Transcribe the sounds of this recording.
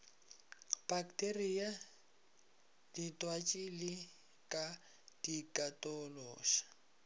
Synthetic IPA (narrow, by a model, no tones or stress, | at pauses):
b̥aktʼeria | d̥itʼwat͡ʃʼilɪ | kʼa | d̥ikʼatʼɔlɔːʃḁ